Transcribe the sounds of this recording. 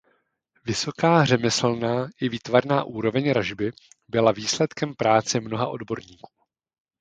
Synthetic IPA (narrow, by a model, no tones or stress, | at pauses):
vɪso̞kaːr̝ɛmɛsl̩naːʔɪviːt̪vaɾnaːʔuːɾo̞vɛɲɾaʒbɪ | bɪlaviːslɛt̪kɛmpɾaːt͡sɛmno̞ɦaʔo̞̰dbo̞ɾɲiːku̥ː